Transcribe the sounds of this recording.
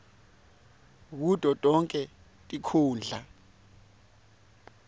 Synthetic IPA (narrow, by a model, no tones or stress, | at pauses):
k̬ud̥ʱɔtʼɔŋkʼɛ | tʼikʰuːnd͡ɮʱa